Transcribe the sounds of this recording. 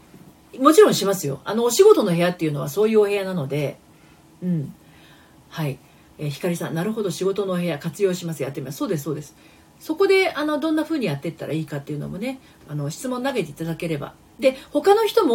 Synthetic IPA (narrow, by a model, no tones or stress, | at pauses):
mo̞t͡ɕiɾõɰ̃ɕimasɨjo̞̰a̰no̞ɕiɡo̞t̪o̞no̞ɦe̞jat̪ːe̞iɯ̟no̞β̞a̰so̞ːjɯoɦe̞anano̞d̪e̞ | ɯ̟̃ɴ | hai | eːçi̥kaɾʲisã̰nnːaɾɯ̟ɦo̞d̪o̞ɕiɡo̞t̪o̞no̞ɦe̞jakat͡sɨjo̞ːɕimasɨjat̪ːemimasoːd̪e̞s̬so̞ːd̪e̞sɨ̥ | so̞ko̞d̪e̞ano̞d̪õ̞nːaɸɯ̟ːɲ̟ijat̪ːe̞t̪ːaɾa̰iːkat̪ːe̞jɯ̟no̞̰mo̞ne̞ | ano̞ɕi̥t͡sɨmõ̞nːaɡe̞t̪e̞it̪ad̪ake̞ɾe̞ba̰ | d̪e̞ho̞kano̞çi̥t̪o̞mo